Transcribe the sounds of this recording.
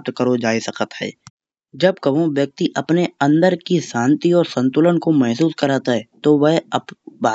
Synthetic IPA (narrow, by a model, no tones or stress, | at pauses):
t̪kəɾod͡ʒaːisɐkət̪ɦɛ̰ː | d͡ʒɐb̚kɐʋõʋjɐk̚t̪iʔɐpneɐ̃nd̪əɾkisãːnt̪iɔːɾsə̃nt̪ʊlənkomɛɦs̬uːskɐɾaːt̪aɦɛːt̪oʋɛɦɐpbaː